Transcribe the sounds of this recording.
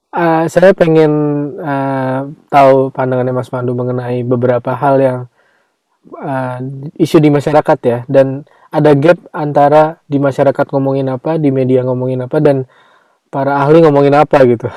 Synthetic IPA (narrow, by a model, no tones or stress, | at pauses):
əsajapeŋɛnət̪aupandaŋanamasmanduməŋənaibəbəɾapaɦaljaŋ | əiʃudimaʃaɾakat̪jadan | adaɡɛp̚ant̪aɾadimaʃaɾakat̪̚ŋomoŋɪnapadimediaŋomoŋɪnapadan | paɾaːhliŋomoŋɪnapaɡit̪u